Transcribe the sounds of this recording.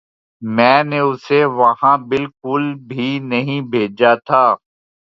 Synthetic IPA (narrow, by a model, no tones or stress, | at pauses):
mɛ̃ːneʊseʋɐɦãbɪlkʊlbʱinɐɦĩbʱeːd͡ʒat̪ʰaː